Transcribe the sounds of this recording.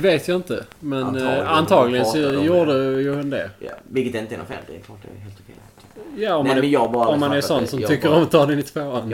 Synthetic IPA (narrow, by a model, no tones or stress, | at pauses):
veːt̪ʰjaɪnt̪əmɛnant̪ʰɑːɡlɪɡənɔjuːɖɛjʊhʊnd̪ɛ̰vɪlkət̪ɛɪnt̪əɛnɔ̰fɛ̰ld̪ɛ̰klɑːʈ̚d̪ɛ̰eːlt̪ʊkʰɛjʰ | jaːɔmːamɛjɑːɡbɑɾaɔmːanɛɾsɔnsɔmʰʏkːəɾɔmɔt̪ʰːɑːd̪ɛɪnɪt̪ʰv̥oːan